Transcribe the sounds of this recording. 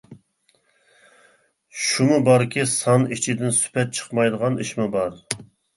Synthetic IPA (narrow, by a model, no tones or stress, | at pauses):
ʃumʊbɑɾkʲisɑnit͡ʃʰid̪ɪnsy̥pʰɛt̪̚t͡ʃʰə̥qmɑjd̪əʁɑniʃmɪbɑɾ